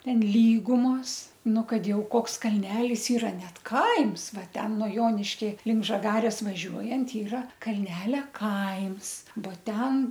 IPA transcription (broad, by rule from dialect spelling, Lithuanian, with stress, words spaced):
ˈtʲɛn ˈlʲiːɡʊmoːs ˈnʊ ˈkɐt ˈjɛʊ ˈkoːks kɐlʲˈnʲæːlʲɪs ɪˈrɐ ˈnʲɛt ˈkɐɪms ˈʋɐ ˈtʲɛn nuɔ ˈjoːnʲɪʃʲkʲɛ lʲɪŋk ʒɐˈɡɑːrʲeːs ʋɐˈʒʲuɔjɛnt ˈiːrɐ kɐlʲˈnʲæːlʲɛ ˈkɐɪms boː ˈtʲɛn